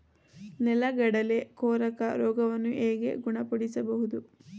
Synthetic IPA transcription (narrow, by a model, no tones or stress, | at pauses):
nɛlɐɡɐɽɐlekoːɾɐkɐɾɔːɡɐʋɐnːuʔeːɡe̞̰ɡuɳɐpɐɽisɐbɐɦud̪u